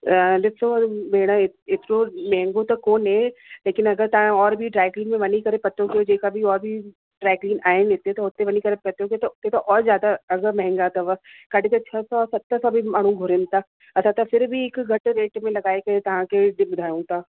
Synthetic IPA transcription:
lɪt̪sobeːɽ̃aɪɪt̪nõmɛɦɛ̃ŋɡõt̪okoːnɦɛ̃leːkɪnɐɡəɾt̪ɐɦãɔːɾbʱiɖɾaːkliːnmẽʋɐnikɐɾepɐt̪ːõkeod͡ʒeːkabʱiɔːɾbʱi | ɖɾaːkliːnaːẽleːt̪eɦɛ̃t̪oɦoːt̪eʋɐnikɐɾepɐt̪jõket̪oʊt̪ːet̪oʔɔːɾzjaːd̪aɐɡəɾmɛ̃ɦɛ̃ŋɡat̪ɐʋɐkɐɽ̤et̪et͡ʃʰɐsɔːɾsɐt̪ːəsɔbʱimaːɽ̤̃ũɡʱʊɾẽnt̪a | ɐt̪at̪afɪɾbʱiekɡʱɐʈɾeːʈmẽlɐɡaːeket̪ɐɦãkeɖbʊd̪ʱaːjũːt̪aː

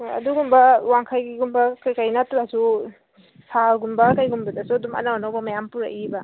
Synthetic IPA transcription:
ɐ̰duɡumbɐwaŋkʰajɡiɡumbɐkajkajnatɾasu | sʰalɡumbɐkajɡumbɐdasuɐdumɐ̰nawanawbɐmajampuɾa̰ʔibɐ

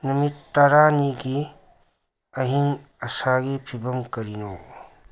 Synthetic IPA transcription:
nɐmit̪ːɐɾaniɡi | ɐɦiŋ | ɐsaɡipʰibɐmkɐɾino

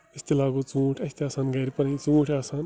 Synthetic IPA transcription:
ist̪ilaːɡut͡sũːʈʰɐst̪iaːsaːnɡɐjɾipɐɾit͡sũːʈʰaːsaːn

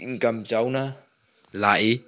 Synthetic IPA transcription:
ŋkamt͡ɕawna | la̰ːʔi

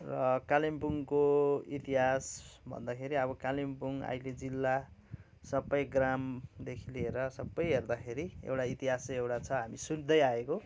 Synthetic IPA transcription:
rʌkalimbuŋkoit̪iɦasbʱʌ̰nd̪akʰeɾiʌβʌkalimpuŋa̰jled͡zilːa | sʌbːʌjɡramd̪ekʰilieɾʌsʌbːʌjɦerd̪akʰeɾiḛwʈait̪iɦasewʈat͡sʰʌɦamisund̪ʌjaeko

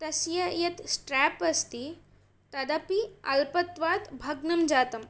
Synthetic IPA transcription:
t̪ɐsjɐjɐt̪sʈɾɛːpɐst̪i | t̪ɐd̪ɐpiɐ̰lpɐt̪ʋaːt̪bʱɐɡnɐmd͡ʒaːt̪ɐm

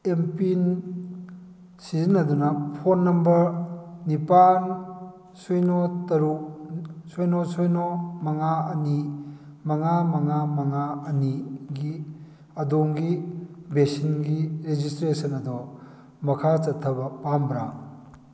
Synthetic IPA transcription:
empin | sizinɐd̪unɐpʰonːɐmbɐɾnipan | sujnɔt̪ɐɾuk̚sɔjnɔsɔjnɔmɐŋaɐni | mɐŋamɐŋamɐŋaɐniɡi | ɐdoŋɡibesinɡiɾed͡ʒistɾesɐnɐd̪ɔ | mɐkʰat͡ʃɐt̪ʰːɐbɐpambɾa

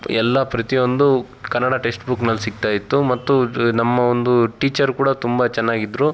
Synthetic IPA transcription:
ɛlːɐpɾɐt̪iʋond̪u | kɐnːɐɽaʈe̞ːsʈbuknɐlːsik̚t̪aːjit̪ːumɐt̪ːunɐmːɐond̪uʈiːt͡ʃɐɾkuːɽɐt̪umbɐt͡ʃɛnːaːɡid̪ːɾu

